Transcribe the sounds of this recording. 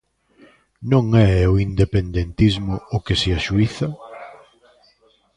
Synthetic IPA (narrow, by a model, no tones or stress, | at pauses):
nõŋɛʊind̪epend̪ent̪izmʊʊkeseaʃuiθɐ